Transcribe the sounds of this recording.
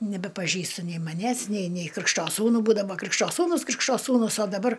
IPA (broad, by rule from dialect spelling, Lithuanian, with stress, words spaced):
nʲɛbʲɛpɐˈʒʲiːstɐ nʲɛɪ mɐˈnʲæːs nʲɛɪ nʲɛɪ ˈkrʲɪkʃtoː ˈsuːnʊ ˈbuːdɐʋoː ˈkrʲɪkʃtoː ˈsuːnʊs ˈkrʲɪkʃoː ˈsuːnʊs oː dɐˈbɐr